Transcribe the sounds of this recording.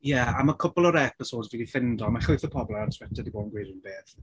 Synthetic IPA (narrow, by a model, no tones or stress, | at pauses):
jɛamakʰʊpɔlˠɔɾɛpɪsoːdzviːdifɪndɔmaχʊɨθəpʰɔbɔlˠɛatʰwɛtʰədiboːdnɡwejdunbeːθ